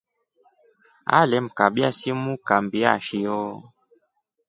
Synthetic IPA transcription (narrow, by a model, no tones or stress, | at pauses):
a̰lɛm̩kabjasimukambia̰ʃiɔ